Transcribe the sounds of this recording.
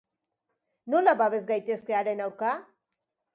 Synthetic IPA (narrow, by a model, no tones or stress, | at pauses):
nolaβaβe̞zɡajt̪e̞ske̞aɾe̞nawɾka